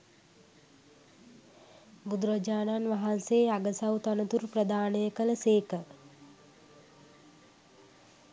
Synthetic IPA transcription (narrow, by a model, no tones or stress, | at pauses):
ɡud̪ɾəd͡ʒaːnanʋaɦanseːaɡəsawt̪anət̪uɾprəd̪aːnəjəkələseːkə